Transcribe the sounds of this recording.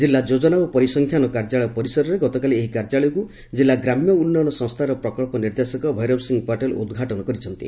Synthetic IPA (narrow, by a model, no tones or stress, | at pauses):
d͡ʒilːad͡ʒod͡ʒɔnaupɔɾisɔŋkʰjanɔkaɾd͡ʒaɭɔjɔpɔɾisɔɾɔɾeɡɔt̪ɔkalieɦikaɾd͡ʒaɭɔjɔku | d͡ʒilːaɡɾamjɔunːɔnɔsɔ̃ŋst̪ʰaɾɔpɾɔkɔɭpɔniɾd̪esɔkɔbʱɔjɾɔbsiŋɡpaʈelṵd̪ɡʱaʈɔnɔkɔɾit͡ʃʰɔnt̪ḭ